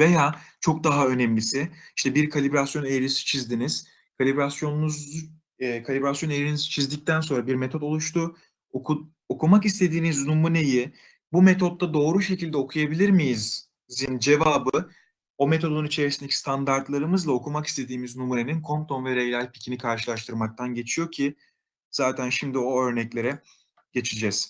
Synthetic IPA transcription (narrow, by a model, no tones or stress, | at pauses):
ve̞jaːt͡ʃʰo̞k̚d̪aɦaø̞nɛmlʲisɪiʃt̪ʰɛbiɾkʰalʲibɾasjo̞nejɾisi̥t͡ʃʰizd̪iniz̥ | kʰalʲibɾasjo̞nnuz | ɛkʰalʲibɾasjo̞nejɾinisi̥t͡ʃʰizd̪ic̚t̪æns̬o̞nɾabiɾmet̪ʰo̞t̪o̞lˠuʃt̪ʰu | ku | okʰumakist̪ʰe̞d̪iːniznumune̞ji | bumet̪ʰo̞t̪ːad̪o̞ːɾuʃe̞cilʲd̪ɛo̞kʰujabilʲiɾmijiz | zind͡ʒe̞vaːbɯ | o̞met̪ʰo̞d̪ounit͡ʃʰe̞ɾisind̪ecʰi̥st̪ʰand̪aɾt̪lˠaɾɯmɯzlˠao̞kʰumaki̥st̪ʰe̞d̪iːmiznumune̞ninkʰo̞mt̪ʰo̞nvɛɾejlʲalʲpi̥cʰinikʰaɾʃɯlˠaʃt̪ʰɯɾmak̚t̪ʰanɟe̞t͡ʃʰijo̞cʰi | z̥aːt̪ʰænʃimd̪io̞ø̞ɾnɛclʲe̞ɾɛ | ɟ̥e̞t͡ʃʰid͡ʒɛz̥